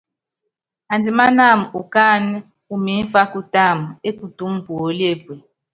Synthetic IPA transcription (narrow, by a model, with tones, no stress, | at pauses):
a˨nd͡zi˨˦ma˦na˦˨m˨u˨ka˦˨n˦ | u˨mi˨˦n˦fa˦ku˦ta˦˨m̩˨e˦ku˨tu˨˦m̩˦bo˨˦le˦˨bwe˨